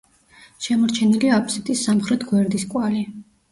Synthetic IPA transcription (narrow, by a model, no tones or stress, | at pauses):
ʃɛmɔɾt͡ʃʰɛniliapʰsɛt̪ʼisːamχɾɛt̪ʰɡwɛɾd̪iskʼwali